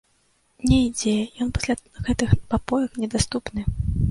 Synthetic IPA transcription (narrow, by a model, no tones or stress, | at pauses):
nʲɛid͡zʲɛjɔnpḁsʲlʲa | ɣɛt̪ɨxpapɔjɐknʲɛd̪ast̪upnɨ